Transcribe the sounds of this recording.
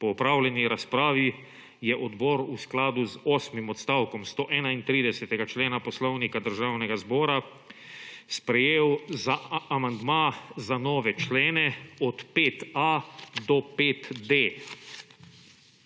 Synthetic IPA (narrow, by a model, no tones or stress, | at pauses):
pɔːpɾawlɛniɾaspɾaːʋi | jɛʔɔd̪bɔːɾusklaːd̪uzɔːsmimɔt̪st̪awkɔmst̪oːʔɛːnaint̪ɾiːd̪ɛsɛt̪ɛɡat͡ʃleːnapɔslɔwnikad̪əɾʒaːwnɛɡazbɔːɾa | spɾɛjeːwzaːmand̪mazanɔːʋɛt͡ʃleːnɛɔt̪peːt̪ad̪ɔpeːt̪d̪e